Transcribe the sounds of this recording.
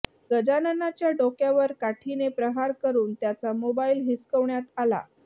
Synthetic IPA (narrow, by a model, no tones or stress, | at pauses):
ɡəd͡ʑanənat͡ɕjaɖokjaʋəɾkaʈʰinepɾəɦaɾkəɾuːnt̪jat͡samobailɦiskəʋɳjat̪ala̰